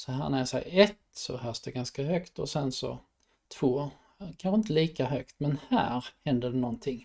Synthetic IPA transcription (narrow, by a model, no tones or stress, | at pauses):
sɔɦæ̰ːɾnæɾjasɛ̰ɪɛt̪sɔ̰hœːsd̪ɛɡanskahœkt̪ɔsɛnsɔ̰ | t̪ʰv̥oː | kʰanɧəɪnt̪̬əliːkaɦœkt̪mɛnhæ̰ːɾhɛnd̪əɖɛnɔnt̪ʰɪŋː